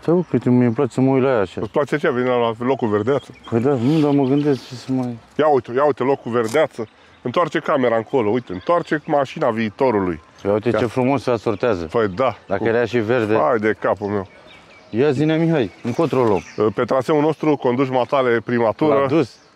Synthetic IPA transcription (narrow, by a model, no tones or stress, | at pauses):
t̪euket̪emjemplat͡ʃsəməujlajaʃasplat͡ʃeat͡ʃejaveniɾalalːo̞kuverd̪eat̪sə̥pəjd̪anud̪aməɡɨnd̪est͡ʃesəmajjaujt̪ejaujt̪elo̞kːuve̞rd̪eat̪sə | ɨnt̪oart͡ʃe̞kame̞ɾaŋkʰo̞lo̞ujt̪eɨnt̪oart͡ʃe̞maʃinaviːt̪o̞ɾulṵj | jaujt̪et͡ʃefɾumo̞sasort̪eazə̰pəjd̪ad̪akəeɾeaʃiverd̪eajd̪e̞kapulmew | jazinamiɦajɨŋkot̪ɾolompe̞t̪ɾaseulno̞st̪ɾuko̞nd̪uʃ̬mat̪alepɾimat̪uuɾəd̪us